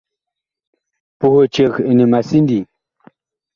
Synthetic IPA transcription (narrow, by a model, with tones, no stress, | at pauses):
pu˨ho˨t͡ʃe˨ɣi˨ni˨ma˨si˦ndi˨